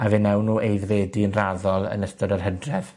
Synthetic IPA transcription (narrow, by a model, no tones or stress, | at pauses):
avɪnːɛwnːuːʔejðveːdiənraðɔlˠə̰nəstɔɾərɦədrɛv̥